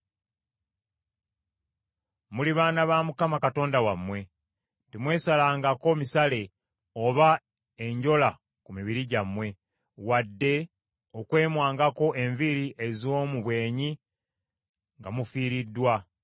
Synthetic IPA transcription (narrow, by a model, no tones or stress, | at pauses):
muliβaːnaβamukamakato̞ːndawamwe̞ | timwe̞ːsalaːŋɡako̞misale̞ | o̞βa | e̞ɲɟo̞la | kumiβiɾiɟamwe̞ | wadːe̞ | okwe̞ːmwaːŋɡako̞ʔe̞ɱviɾiʔe̞zoːmuβwe̞ːɲi | ŋɡamufiːɾidːwa